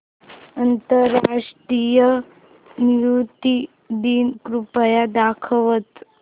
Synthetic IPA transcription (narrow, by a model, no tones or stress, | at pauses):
ənt̪əɾaʂʈɾijə | nijut̪i | d̪iːnkɾupəjad̪akʰəʋət̪